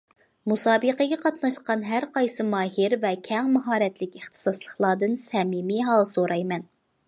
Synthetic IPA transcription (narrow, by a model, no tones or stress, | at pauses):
musɑːbəqəɡʲɛqʰɑt̪nɑʃqɑnɦæɾqɑjsɨmɑːɦiɾvɛkʲʰɛŋmɑɦɑːɾɛt̪lɪkʲeχt̪ʰɨ̥sɑslˠəχlˠɑːd̪ɨnsɛmimiɦɑlˠsoɾɑjmɛn